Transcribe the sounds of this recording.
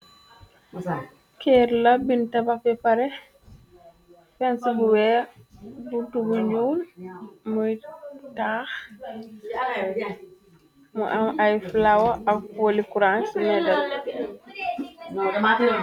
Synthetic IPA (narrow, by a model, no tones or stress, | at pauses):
kɛɾlɐbintɐbaxbɛpaɾɛ | fɛnsibuwɛː | butubuɲuːlmujtaːx | muʔɐmɐjflawɐɐk̚olikuɾaːnsimɛdɐl